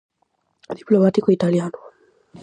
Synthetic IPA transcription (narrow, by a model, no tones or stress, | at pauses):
ðiplɔmatikɔitalianɔ